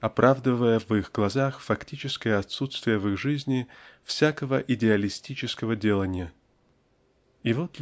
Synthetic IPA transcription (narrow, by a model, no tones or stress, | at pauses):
ɐpɾʔavd̪əvəjəvɨxɡlˠɐzaxfɐktʲit͡ɕɪskəjəɐt̪sut̪st̪vʲɪjəvɨɣʐɨzʲnʲɪfsʲakəvəʔɪdʲɪɐlʲɪsʲtʲit͡ɕɪskəvədʲelˠənʲɪjə | ɪvot̪